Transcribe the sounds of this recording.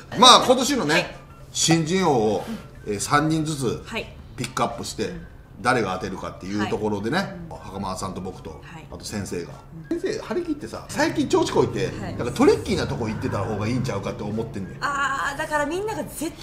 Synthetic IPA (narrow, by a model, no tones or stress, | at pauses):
maːko̞t̪o̞ɕino̞ne̞ | ɕĩɲ̟d͡ʑĩɰ̃o̞ːo | eːsãɲ̟ːĩnd͡zɨt͡sɨpʲikːɯapːɯ̟ɕi̥t̪e̞ | d̪aɾe̞ɡaːt̪e̞ɾɯ̟ka̰t̪ːe̞jɯ̟ːt̪o̞ko̞ɾo̞d̪e̞ne̞hakamaasãnt̪o̞bo̞kɯ̥t̪o̞̰ | a̰t̪o̞sẽ̞ɰ̃se̞ːɡa̰ẽse̞ːhaɾʲikʲit̪ːe̞sa̰saikʲĩɲ̟t͡ɕo̞ːt͡ɕi̥ko̞it̪e̞d̪ãkat̪o̞ɾʲikʲːiːnat̪o̞kooit̪ːe̞t̪aho̞ːɡaĩːɲ̟t͡ɕaɯ̟kat̪ːeomo̞t̪ːẽ̞nd̪ead̪akaɾamʲĩnːaɡaze